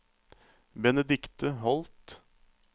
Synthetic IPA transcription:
bɛnɛd̪ɪkt̪əɦɔlt̪

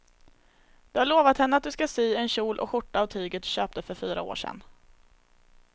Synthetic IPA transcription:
d̪ɵhaɭoːvat̪hɛnːəat̪̚d̪ɵskasiːɛnɕuːlʔɔ̰ɧʊʈːaːvt̪ʰyːɡət̪ɕøːp̚t̪əfœɾfyːɾa̰o̰ːʂɛ̰nː

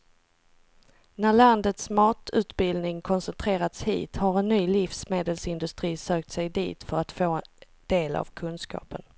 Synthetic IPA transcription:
næɭand̪ət̪smɑːt̪ʉ̟ːt̪bɪld̪nɪŋkʰɔnsɛnt̪ʰɾeːɾat̪shḭːt̪haɾɛnːyːlɪfsmeːd̪əlsɪnd̪ɵst̪ɾiːsøːk̚t̪sɛjd̪ḭːt̪fœɾat̪foː | d̪̥eːla̰vkʰɵnskɑ̰ːpən

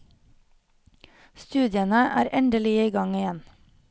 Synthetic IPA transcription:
st̪ʉːd̪jənəʔæ̰ːɾʔɛnd̪əlɪiːɡɑŋɪjɛn

